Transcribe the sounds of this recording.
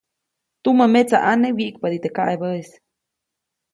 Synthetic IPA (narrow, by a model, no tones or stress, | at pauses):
t̪uməmet͡saʔanewiʔkpad̪it̪ekaʔebəes